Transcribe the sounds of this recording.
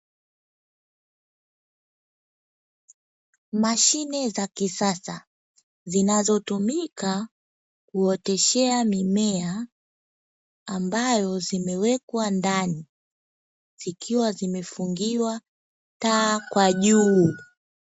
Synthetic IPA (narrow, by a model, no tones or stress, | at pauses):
maʃinɛzakisasa̰ | zinazɔtumika | kuɔtɛʃɛamimɛa | mbajɔzimɛwɛkwandani | z̥ikʰiwazimɛfuŋɡiwa | taːkwaʄuː